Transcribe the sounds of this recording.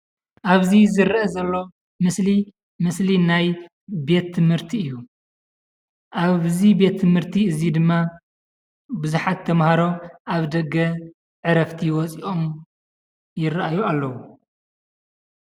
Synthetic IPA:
ʔaβzizɨɾɐʔɐzɐlːo̞ | mɨsli | mɨslinaj | be̞t̪ʰːɨmhɨɾt̪ʰiɨjːu | ʔaβzibe̞t̪ʰːɨmhɨɾt̪ʰiɨzid̪ɨmːa | bɨzuħat̪ʰːɐmhaɾo̞ʔaβd̪ɐɡːɐ | ʕɨɾɐft̪ʰiwɔt͡sʼiʔo̞m | jɪraʔajualːɐwu

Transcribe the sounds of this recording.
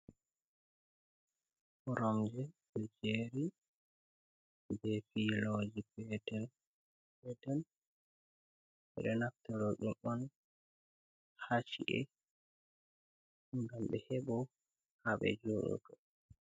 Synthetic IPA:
ɔɾɔmd͡ʒɛɗɛd͡ʒeɾi | bɛfilɔd͡ʒipɛdɛn | bɛtɛn | ɓɛ̰ɗɔnaftaɾɔɗumɔn | haʃiʔɛ̰ | ŋɡamɓɛ̰hɛbɔ | haɓɛ̰d͡ʒoɗṵkɔ

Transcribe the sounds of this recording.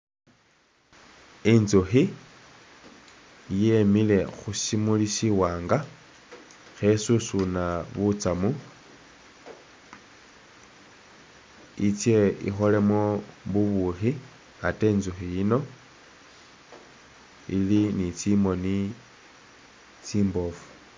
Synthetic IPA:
inzuxi | jemile̞xusimulisiwaːŋɡa | xe̞susunaβut͡samu | it͡sjeḭxo̞le̞mwoβuβuxi | ate̞ːnzuxijino̞ | ilinit͡simoni | t͡siːmbo̞fu̥

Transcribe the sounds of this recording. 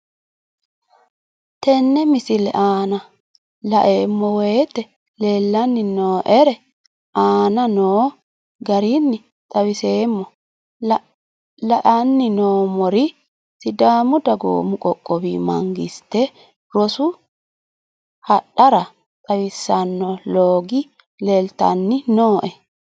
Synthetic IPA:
t̪ɛnːɛmɪsɪlɛ̰ʔaːnɐ | lɐʔeːmːɔwɛjt̪ːɛ | leːlːɐnːɪnoːʔɛɾɛ | ʔaːnɐnoː | ɡɐɾinːɪ | t̪ʼɐwɪse̞ːmːɔ | lɐʔɐnːɪnoːmɔɾɪ | sɪd̪aːmʊd̪ɐɡo̰ːmʊkʼɔkʼːɔbḭːmɐ̰ŋɡɪst̪ːɛ | ɾɔsʊ | hɐɗːɐɾɐ | t̪ʼɐwɪsːɐnːɔloːɡɪ | leːlt̪ɐ̰nːɪnoːʔɛ

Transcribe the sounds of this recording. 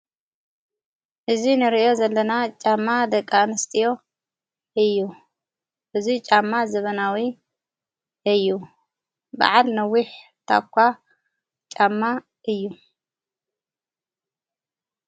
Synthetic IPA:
ʔɨzinɨɾiʔo̞zɐlːɐnat͡ʃʼamːad̪ɐkʼːanɨst̪ʼijo̞ | ʔɨjːu | ʔɨzit͡ʃʼamːazɐβɐnawi | ʔɨjːu | ba̰ʕalnɐwːiħ | t̪ʰa̰kʰʷːa | t͡ʃʼamːa | ʔɨjːu

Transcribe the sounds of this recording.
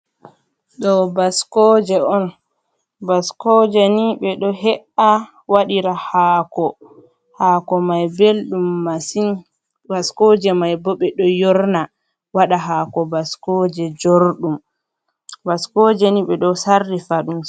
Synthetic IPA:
ɗɔbaskɔd͡ʒɛʔɔn | baskɔd͡ʒɛniɓɛɗɔɦɛʔa | waɗiɾahaːkɔ | haːkɔmajbelɗumːasin | baskɔːd͡ʒɛmajbɔɓɛɗɔjɔɾna | waɗaɦaːkɔbaskɔd͡ʒɛd͡ʒoɾɗum | baskɔd͡ʒɛniɓɛɗɔsardifaɗum

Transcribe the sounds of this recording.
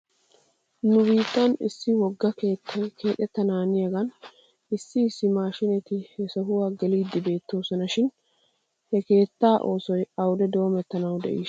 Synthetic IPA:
nʊbiːt̪ːɐnɪ̰sːɪwɔɡːɐke̞ːt̪ʰːɐjkʰe̞ːt̪ʼːɛt̪ːɐnaːnɪjɐɡɐn | ɪsːɪsːɪmaːʃɪnɛt̪ɪhɛsɐɦʊwaːɡɛliːd̪ːɪbe̞ːt̪ːo̞ːsɔnɐʃɪn | hɛke̞ːt̪ːaːʔo̞ːsɔjɐwʊd̪ɛd̪o̞ːmɛt̪ːɐnɐwd̪ɛʔiː

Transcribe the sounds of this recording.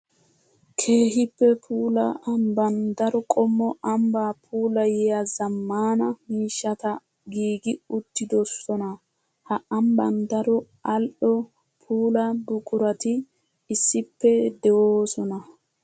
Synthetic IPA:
kʰe̞ːɦɪpːɛpʰuːlɐʔɐmbɐnd̪ɐɾɔkʼɔmːɔɐmbaːpʰuːlɐjɛjazɐmːaːnɐmiːʃːɐt̪ɐ | ɡiːɡɪʊt̪ːɪd̪ɔsːɔnɐ | hɐʔɐmbɐnd̪ɐɾɔ | ɐlʔɔ | pʰuːlɐbʊkʼʊɾɐt̪ɪ | ɪsːɪpːɛd̪ɛwoːsɔnɐ

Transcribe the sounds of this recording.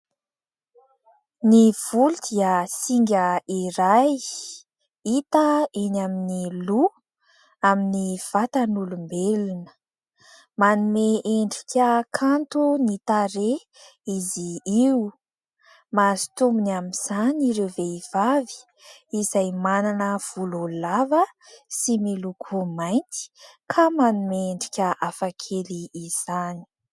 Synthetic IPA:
niv̥uld̪̥iəsiŋɡʲəiɾaj | it̪əenaminilu | aminiv̥at̪anulumbelunə̥ | manumeʔeɳɖ͡ʐikʲəkʰant̪unit̪aɾe | iziiu | mazi̥t̪umbunamiz̥aniɾewveiv̥avi̥ | izajmananəv̥ululavəsimelukʰumajnt̪i̥kʰamanumeeɳɖ͡ʐi̥kʲəʔafakʰeliːz̥ani̥

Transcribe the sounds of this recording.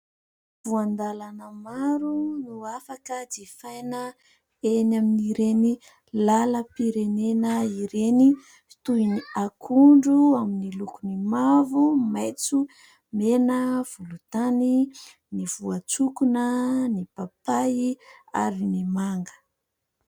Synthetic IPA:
v̥uand̪alanəmaɾunuafakəd̪efajnə | enaminiɾeni | laləpiɾenenəiɾeni̥ | t̪uiniakʰuɳɖ͡ʐuaminilukunimavumajt͡su | menəv̥ulut̪ani | niv̥uat͡sukunənipapajia̰ɾinimaŋɡə̥

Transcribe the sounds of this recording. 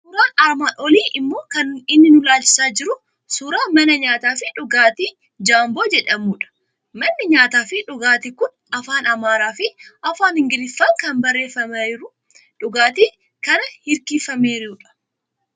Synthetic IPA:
suːɾaːnɐɾmaːʔɔliːʔɪmːo̞ːkɐnɪnːɪnʊlaːlt͡ʃɪ̥saːd͡ʒɪɾʊ | suːɾaːmɐnɐɲaːt̪aːfɪᶑʊɡaːt̪iː | d͡ʒaːmbo̞ːd͡ʒɛᶑɐmuːᶑɐ̥ | mɐnːɪɲaːt̪aːfɪᶑʊɡaːt̪ɪkʊn | ɐfaːnɐmaːɾaːfɪɐfaːnhɪŋɡɪlɪfːɐŋkɐnbɐrːe̞ːfːɐmɐɪɾʊ | ᶑʊɡaːt̪iː | kɐnɐhɪɾkiːfɐmeːɾɪuːᶑɐ̥

